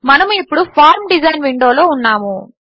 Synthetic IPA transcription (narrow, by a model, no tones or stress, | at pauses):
mɐnɐmuipːuɽupʰaːɾmɖizɐjnʋiɳɖoːloːunːaːmu